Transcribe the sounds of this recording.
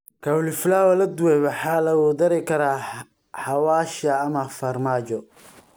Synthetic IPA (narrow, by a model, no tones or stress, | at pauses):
kʰɐwlɪflaːwɐlɐd̪ʊwɛjβɐħaːlɐuːd̪ɐɾɛkʰɐɾaː | ħɑwaːʃɐːmɐfɐrmaːt͡ʃɔ